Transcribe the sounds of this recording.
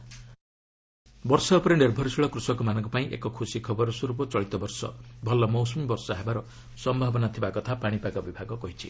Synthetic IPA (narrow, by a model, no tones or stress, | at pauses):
bɔɾsɔɔpɔɾeneɾbʱɔɾisiɭɔkɾusɔkɔmanɔ̃ŋkɔpaĩʔḛkɔkʰusikʰɔbɔɾɔsuɾupɔt͡ʃɔɭit̪ɔbɔɾsɔ̰bʱɔlɔmɔwsɔmibɔɾsɔɦebaɾɔ | sɔmbʱabɔnat̪ʰibakɔt̪ʰapaɽ̃ipakɔbibʱaɡɔkɔɦit͡ʃʰi